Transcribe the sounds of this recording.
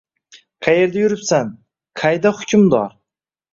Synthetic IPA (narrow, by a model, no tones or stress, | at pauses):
qʰɑje̞ɾd̪ajʊɾɪpsan | qʰajd̪ahʊkʲʰʊmd̪ɒɾ